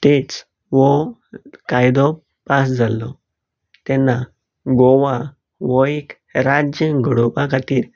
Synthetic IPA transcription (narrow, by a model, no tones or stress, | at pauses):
t̪et͡s | ʋɔ | kajd̪ɔ | pasd͡zʱalɔ | t̪ɛnːa | ɡɔʋa | ʋɔek | ɾad͡ʑjəɡʱəɽɔpakʰat̪iːɾ